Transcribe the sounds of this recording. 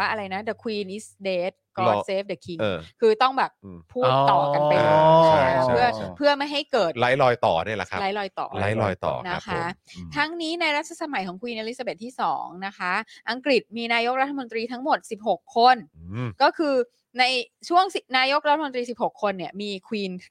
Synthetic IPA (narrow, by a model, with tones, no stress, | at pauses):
waː˥˩ʔɾa˧jna˦˥da˧˩kʰwiː˧nʔi˦˥sdeː˦˥t̪̚kɔː˦˩seː˦˥f̚da˨˩kʰi˧ŋː˧kʰɯː˧t̪ɔ˥˩ŋbɛː˨˩pʰːuː˥˩t̪ːɔː˨˩ka˧a˧jaa˦˥˦pʰɯ˥˩ɐpʰɯ˥˩ɐma˥˩jɦa˥˩jkɤː˨˩t̪̚la˦˥jlɔː˧jt̪ɔː˨˩nɯ˥˩la̰˨˩kʰa̰˦˧la˦˥jlɔː˧jt̪ɔ̰ː˨˩la˦˥jlɔ̰ː˧jt̪ɔ̰ː˨˩na˦˥kʰa˦˥t̪ʰa˦˥ŋniː˦˥na˧jɾa˦˥t̪̚ʰːa˧sa˧ma˩˦jkʰɔː˩˦kʰwiː˧nʔe˧ɾi˦˥sa˧be˨˩t̪ʰːiː˥˩sɔː˩˦ŋna˦˥kʰa˦˥ʔa˧ŋkɾi˨˩t̪̚miː˧naː˧jo˦˥k̚ɾa˦˥t̪ʰːmo˧nt̪ɾiː˧t̪ʰa˦˥ŋmo˨˩t̪̚si˨˩p̚ɦo˨˩kʰːo˧nkɔː˥˩kʰɯː˧ | na˧jt͡ɕʰu˥˩əŋsi˨˩p̚naː˧jo˦˥k̚ɾa˦t̪ʰːmo˧nt̪ɾiː˧si˨˩p̚ho˨˩kʰːo˧nːi˥˩ɐmiː˧kʰwiː˧n